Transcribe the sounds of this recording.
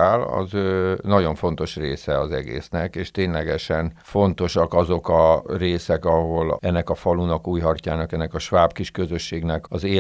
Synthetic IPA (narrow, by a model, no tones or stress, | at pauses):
aːlɒ̰zøːnɒɟo̞ɱfo̞nt̪o̞ʃreːsɛɒzɛɡḛːsnɛkeːʃt̪eːɲlɛɡɛʃɛnfo̞nt̪o̞ʃɒkɒzo̞kɒreːsɛkɒɦo̞lɛnːɛkɒfɒlunɒkuːjɦɒrcaːnɒkɛnːɛkɒʃʋaːbkiʃkø̞zøʃːeːɡnɛkɒzeː